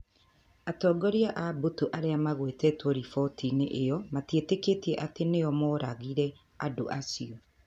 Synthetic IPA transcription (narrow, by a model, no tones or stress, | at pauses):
atɔːɡɔɾiaʔabotoʔaɾeamaɣwetɛtwɔɾifɔtʰineʔejɔmatieteketiɛʔateneɔmɔɾaɣiɾɛ | ado̰ʔasiɔ